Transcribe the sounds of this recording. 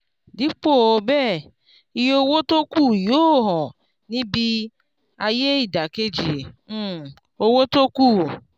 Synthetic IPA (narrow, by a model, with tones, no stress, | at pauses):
di˨˦k͡po˦˨o˧bɛ˦˨ | i˧jo˧wo˦to˦ku˦˨joː˦˨˦ɦɔ̃˨ | nĩ˦bi˧ | a˧je˦i˦˨da˨ke˦d͡ʒĩ˨˦˨ | o˧wo˦to˦ku˦˨